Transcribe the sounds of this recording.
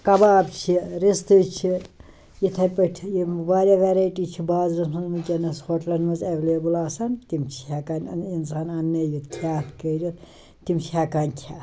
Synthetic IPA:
kɐbaːb̚t͡ʃʰiɾist̪ɨt͡ʃʰi | jit̪ʰɐpɐʈʲʰjimbaːɾʲɐʋeːɾajʈiːt͡ʃʰibaːzɾɐsmɐzmukʲɐnɐshoʈlɐnmɐzɐʋleːbulaːsɐnt̪imt͡ʃʰiɦɐkanʲinsaːnɐnːɐjit̪ʰjaːt̪kɐːɾit̪ | t̪imt͡ʃʰiɦakaːnʲkʲʰa

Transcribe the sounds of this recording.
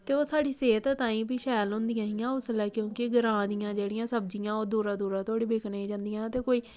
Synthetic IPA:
t̪eːoːsaːɖiːseːt̪t̪ãːĩːbiːʃɛːlɦʊ̃nd̪ijãːɦɪjãːʊslɛːkjõːkɪɡəɾãːd̪ɪjãːd͡ʒeːɽɪjãːsəbd͡ʒijãːoːd̪uːɾãːd̪uːɾãːt̪ʰʊoːɽiːbeːkʰnĩːd͡ʒãːnd̪ijãːt̪eːkoːiː

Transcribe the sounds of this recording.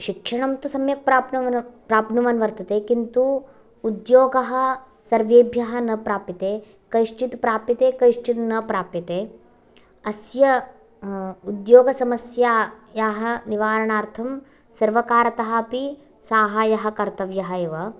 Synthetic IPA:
ʃikʂɐɳɐmt̪usɐmjɐk̚pɾaːpnɐpɾaːpnuʋɐnʋɐɾt̪ɐt̪eːkint̪uː | d̪joːɡɐɦɐ̆ | sɐɾʋeːbʱjɐɦɐ̆nɐpɾaːpit̪eː | kɐʃt͡ʃit̪pɾaːpit̪eːkɐjʃt͡ʃit̪nɐpɾaːpjit̪eː | ɐsjɐ | ud̪joːɡɐsɐmɐsjaː | jaːɦɐ̆niʋaːɾɐɳaːɾt̪ʰɐm | sɐɾʋɐkaːɾɐt̪ɐɦɐ̆pi | saːɦaːjɐɦɐ̆kɐɾt̪ɐʋjɐɦɐeːʋɐ

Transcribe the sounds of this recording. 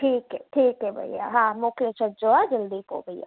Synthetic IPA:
ʈʰiːkɦɛʈʰiːkɦɛbʱɐ̰ḭja̰ɦãmoːkɪət͡ʃʰɐd͡ʒoːad͡ʒɐld̪iko̰bʱɐija̰ː

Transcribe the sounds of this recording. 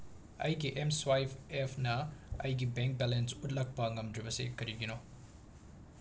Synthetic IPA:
ɐ̰jɡiʔemswajpʰepʰnɐɐ̰jɡibeŋk̚bɛlensut̬̚lɐk̚pɐŋɐmdɾibɐsḭkʰɐɾiɡino

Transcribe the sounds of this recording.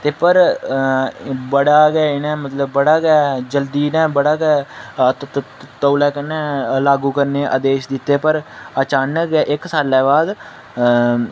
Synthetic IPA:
t̪eːpəɾ | bəɽaːɡɛːɪnɛ̃ːmət̪ləbːəɽaːɡɛːd͡ʒəld̪iːnɛ̃ːbəɽaːɡɛː | t̪əːlɛːkənɛːlaːɡuːkəɾneːʔəd̪eːʃd̪ɪt̪ːeːpəɾət͡ʃaːnəkɡɛːʔɪksaːlːɛːbaːd̪

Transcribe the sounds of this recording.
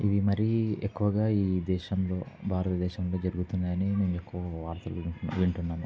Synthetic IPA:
iʋimɐɾiekːuʋɐɡaːiːd̪ɛːʃɐmlo̞ːbʱaːɾɐt̪ɐd̪ɛːʃɐmlo̞ːd͡ʒɐɾuɡut̪unːaːjɐneːneːnuekːuʋɐʋaːɾt̪ɐluʋiɳuʋiɳʈunːaːnu

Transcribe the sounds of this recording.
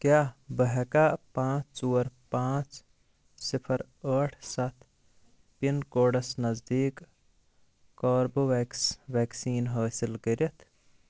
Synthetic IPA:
kjaːbəɦɛkapãːt͡ʃt͡suːəɾpãːt͡ʃ | sipʰəɾ | əːʈʰsat̪ʰ | pinkoːɖɐsnɐzd̪iːk | ɔːɾboeʋeːksiːnɦaːsilkəɾjɐt̪ʰ

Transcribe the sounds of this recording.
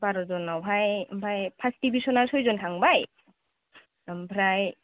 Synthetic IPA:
baɾɔzɔnawbʱajbʱajpʰastibisɔnaɹsojzɔntʰaŋbaj | bʰʱɾaj

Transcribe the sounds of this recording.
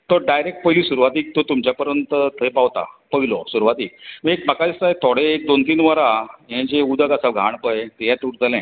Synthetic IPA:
t̪oɖajɾek̚ʈ̚pəɦilisuɾʋat̪iːk̚t̪ot̪umt͡ɕjapəɾjənt̪ət̪ʰəjpaʋt̪a̰pəɦilɔsuɾʋat̪iːk̚mə̃ek̚bʱakad̪ist̪aɦet̪ʰoɽeːk̚d̪ont̪iːnʋəɾaɦẽd͡ʑeud̪əɡasaʋɡʱaɳpəjet̪eɦãt̪uɽt̪əlɛ̃

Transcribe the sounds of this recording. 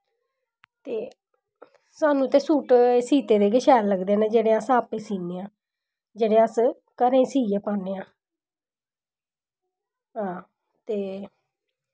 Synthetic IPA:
t̪eː | saːnũːt̪ẽːsuːʈːsiːt̪eːd̪eːɡɪʃɛːlləɡd̪eːnẽːd͡ʒeːɽeːəsaːpẽːsiːneːãː | d͡ʒeːɽeːəs | kəɾẽːsiːjeːpãːneːãː | ɦãː | t̪eː

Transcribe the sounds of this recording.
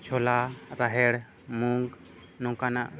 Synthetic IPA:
t͡ʃʰɔlaɾaɦɛɽ | muŋɡ | nɔ̃kanaʔ

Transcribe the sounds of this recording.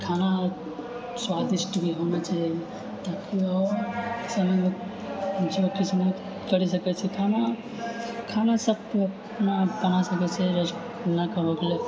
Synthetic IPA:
kʰana | swad̪isʈbʱiɦonat͡ʃaɦiɡe | t̪akiɔːɾsəmə | t͡ʃʰeəkisne | kəɾisəkɛt͡ʃʰɛkʰana | kʰanasəb̚əp | nabənasəkɛt͡ʃʰɛɾət͡ʃ | nakəɦokle

